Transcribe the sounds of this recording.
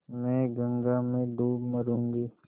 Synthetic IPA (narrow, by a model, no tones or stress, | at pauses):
mɛ̃ːɡə̃ŋɡamẽɖ̪uːbməɾũːŋɡiː